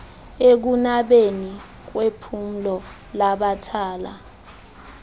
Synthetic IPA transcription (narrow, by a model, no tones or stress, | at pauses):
ek̬unaɓeni | k̬wepʰum̩lɔ | laɓatʰaːla̰